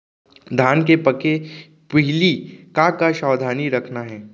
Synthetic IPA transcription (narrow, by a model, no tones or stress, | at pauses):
d̪ʱaːnkepɐke | pɪɦɪlikakaʃaːd̪ʱaːniɾɐkʰnaɦɛː